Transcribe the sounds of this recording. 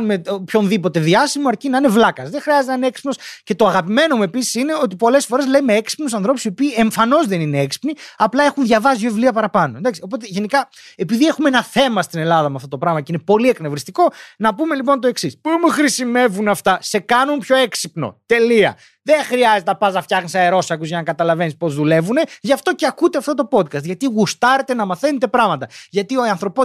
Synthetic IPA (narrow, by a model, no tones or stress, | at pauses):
numeopço̞nðipo̞t̪e̞ðiɐsimoɐɾcinɐinevlɐkɐzðeŋxɾiɐzt̪enɐineeksi̥pno̞sce̞t̪o̞ɐɣɐpime̞no̞mue̞pisi̥sine̞o̞t̪̬ipo̞le̞sfo̞ɾe̞zle̞meeksi̥pnusɐnθɾo̞pu̥sio̞piːe̞ɱfɐno̞zðe̞nineeksi̥pniɐplɐe̞xunðʝɐvɐsioevliɐpɐɾɐpɐnond̪ɐksio̞po̞t̪e̞ʝe̞nikɐ | epiðie̞xumeenɐθe̞mɐst̪ine̞lɐðɐmeɐft̪ot̪opɾɐɣmɐceine̞po̞liekne̞vɾist̪iko̞nɐpume̞lipo̞nt̪o̞e̞ksispumuxɾisime̞vunɐft̪ɐse̞kɐnunpço̞e̞ksipno̞̰t̪e̞liɐ̰ | ðe̞ŋxɾiɐzet̪eɐpɐzɐft̪çɐxnisɐeɾo̞sɐkuzʝɐnɐkɐt̪ɐlɐve̞nispo̞zðule̞vune̞ʝɐft̪o̞ce̞ɐkut̪eɐft̪o̞t̪o̞po̞t̪̚kɐst̪ʝɐt̪iɣust̪ɐɾe̞t̪e̞nɐmɐθe̞net̪e̞pɾɐɣmɐt̪ɐʝɐt̪io̞ɐnθɾo̞po